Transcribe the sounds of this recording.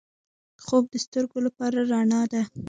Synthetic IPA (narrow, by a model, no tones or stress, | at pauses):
xob̚d̪əst̪əɾɡolapɑɾaɾaɳɑd̪a